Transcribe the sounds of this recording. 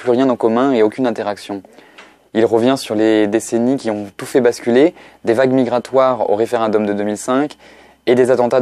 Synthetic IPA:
plyʁjɛ̃nɑ̃kɔmɛ̃eokʲynɛ̃t̪eʁaksjɔ̃ | ilʁəvjɛ̃syʁled̪esenikʲiɔ̃t̪ufɛbaskʲyled̪evaɡmiɡʁat̪waʁo̰ʁefeʁɛ̃d̪ɔmd̪əd̪ømilsɛ̃k | ed̪ezat̪ɑ̃t̪a

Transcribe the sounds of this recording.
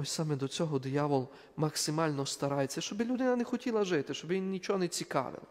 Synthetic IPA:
ɔsʲsɑmɛd̪ɔt͡sʲɔɦɔd̪ʲjɑʋɔlˠ | mɐksɪmɑlʲnɔst̪ɐɾɑjet͡sʲːɐʃt͡ʃɔbɪlʲʊd̪ɪnɐnexɔtʲilˠɐʒɪt̪ɪʃt͡ʃɔbɪʋʲinnʲit͡ʃɔɔnet͡sʲikɑ̰ʋɪ̰lˠɐ

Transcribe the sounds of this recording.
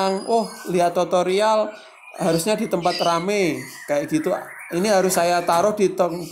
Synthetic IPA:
aŋʊhliat̪ːot̪oɾial | haɾʊsɲad̥it̪əmpat̪rame | kajaʔɡ̥it̪u | iniɦaɾʊsːajat̪aɾʊhd̥it̪ɔk

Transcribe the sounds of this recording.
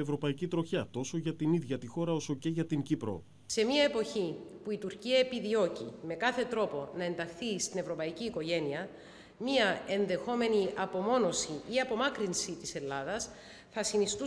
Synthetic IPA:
evɾo̞pɐicit̪ɾo̞çɐt̪o̞soʝɐt̪iniðʝɐt̪ixo̞ɾɐo̞so̞ce̞ʝɐt̪iɲcipɾo̞̰ | se̞miɐepo̞çipuit̪uɾciɐepiðio̞cḭme̞kɐθe̞t̪ɾo̞po̞nɐe̞nd̪ɐxθist̪ine̞vɾo̞pɐiciːko̞ʝe̞niɐ | miɐe̞nðe̞xo̞me̞niɐpo̞mo̞no̞siiɐpo̞mɐkɾinsit̪ise̞lːɐðɐs | θɐsinist̪u

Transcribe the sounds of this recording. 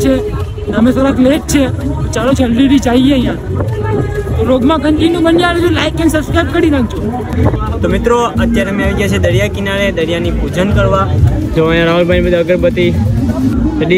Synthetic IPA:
t͡ʃʰe | d̪amesoɾat̪leʈ̚t͡ʃʰet͡ʃalod͡ʒʱəlɾiɾid͡ʒaieəjã | t̪oɾoɡmãɡənʈinːũbənjaɾed͡ʒõlaikɛnsəbskɾajb̚kəɾiɾãɡ̚d͡ʒʰõ | t̪omɪt̪ɾoət̪jaɾemẽaʋiɡjat͡ʃʰed̪əɾijakɪnaɭed̪əɾjanipud͡ʒənkəɾʋad͡ʒoajãɾaɦəlbanbəd̪əɡəɾpət̪i | səɗi

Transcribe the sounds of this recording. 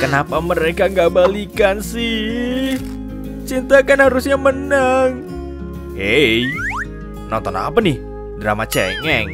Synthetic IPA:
kənapaməɾekaŋɡabalikansɪh | t͡ʃint̪akanhaɾʊsɲamənəŋ | hej | nɔ̰nt̪ɔna̰panɪh | dɾa̰mat͡ʃɛ̰ŋɛŋ

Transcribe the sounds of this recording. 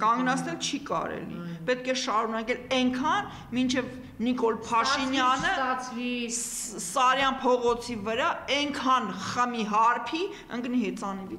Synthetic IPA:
kɑŋɡnɑt͡sʰnɛlt͡ʃʰikɑ̰ɾɛ̰lḭpɛt̪̚kʰɛʃɑɾunɑkɛlɛŋkʰɑn | mint͡ʃʰɛv | nikɔlpʰɑʃinjɑnə | sɑɾjɑnpʰɔʁɔt͡sʰivəɾɑɛŋkʰɑnχəmiɦɑɾpʰi | əŋkniɦɛt͡sɑnivi

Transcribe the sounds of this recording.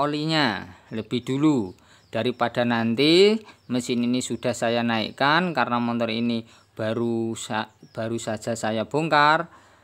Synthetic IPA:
oliɲaləb̥ɪhd̥ulu | d̥a̤ɾipad̥a̤nant̪iməsininisud̥a̤hsajanaḭʔkankarnamɔnt̪ɔrini | b̥aɾuab̥a̤ɾusad̥ʒ̥a̤sajab̥o̤ŋkar

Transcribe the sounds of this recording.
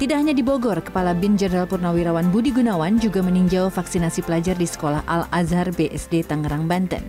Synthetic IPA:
t̪idaʔɦaɲadiboɡɔrkə̥palabind͡ʒədɾalpurnawiɾawanbudiɡunawand͡ʒuɡaməniɲd͡ʒalfaksinasipəlad͡ʒardisə̥kolaha̰lazarbeʔɛsdet̪aŋəɾaŋbant̪ə̰n

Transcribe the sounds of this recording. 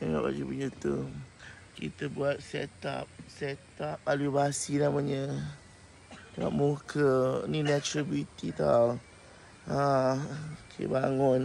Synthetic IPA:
əŋa̰ʔba̰d͡ʒupuɲət̪u | kḭt̪əbuat̪̚sɛ̰t̪a̰p̚set̪ap̚ːaluibasinaməɲə | a̰ʔ̚mukʰəninɛt͡ʃɾibjut̪it̪a | a | okʰḛbaŋɔn

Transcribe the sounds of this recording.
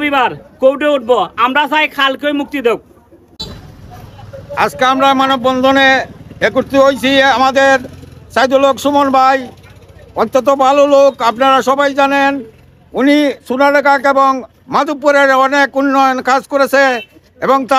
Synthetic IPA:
bibaɾkowɖeuʈ̚boamɾasajkʰalkojmuk̚t̪id̪ek̚ | a̰d͡ʑkeamɾamanok̚bɔnd̪ʱoneekuɾt̪iɦojt͡ɕʰiamad̪eɾsajd̪olokʃumonbʱaj | ɔt̪ːot̪̬obʱalolokapnaɾaʃɔbajd͡ʑanen | unisunaɽekakeboŋ | mad̪upːoɾeɾɔnekunːɔjonkad͡ʑkoɾet͡ɕʰe | eboŋt̪a

